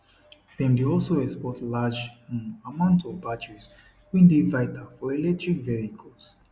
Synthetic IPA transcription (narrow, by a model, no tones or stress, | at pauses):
d̥ɛ̃mdeɔlˠsoɛkspɔtlad͡ʒamãʊ̃ntɔvbat͡ʃɛs | wĩndevaɪtʰafɔelɛk̚tɹikvɛɹikʰɔls